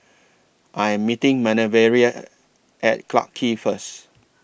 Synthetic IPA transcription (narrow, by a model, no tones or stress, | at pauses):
ʔajɛ̃mːitɪ̃ŋmɛnəvɛɹiə | ʔɛt̚kʰla̰kʰːifəs